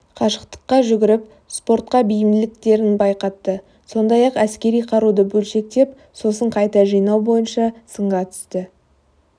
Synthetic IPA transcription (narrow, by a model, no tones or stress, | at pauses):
qʰɑʃəqt̪ə̥qːɑʒʏɡʲɪɾɪp̚ | spo̞rt̪̚qɑbijɪmd̪lɪkt̪e̞ɾɪnbɑjqɑt̪ːə | so̞nd̪ɑjɑqæskʲe̞ɾijqʰɑɾud̪əbɵlʃe̞k̚t̪e̞p | so̞s̬əɴqʰɑjt̪ɑʒijnɑwbo̞jənʃɑsəɴʁɑt̪ʰʏ̥st̪ɪ